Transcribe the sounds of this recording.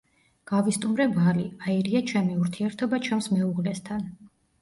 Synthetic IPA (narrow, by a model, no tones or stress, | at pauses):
ɡ̥avist̪ʼumɾɛbaliaiɾiat͡ʃʰɛmiuɾt̪ʰiɛɾt̪ʰɔbat͡ʃʰɛmsmɛuʁlɛst̪ʰan